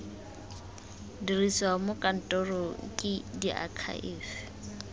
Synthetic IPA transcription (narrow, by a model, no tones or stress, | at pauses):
dirisamʊkʼan̩tʼɔrɔkʼɪdiʔa̰kʰa̰ʔɪːfɪ̥